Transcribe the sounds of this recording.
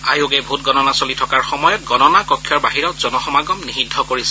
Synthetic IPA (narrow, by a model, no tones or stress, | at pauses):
ajuɡɛbʱutɡɔnɔnasolitʰɔkaɹxɔmɔjɔt̚ɡɔnɔnakɔkʰːjɔɹbaɦiɹɔtz̥ɔnɔxɔmaɡɔmnixidʱɔkoɹisɛ